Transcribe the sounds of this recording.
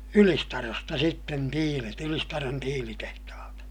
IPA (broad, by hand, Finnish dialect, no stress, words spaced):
ylistɑrostɑ sitːen tiːlet ylistɑron tiːlitehtɑhɑltɑ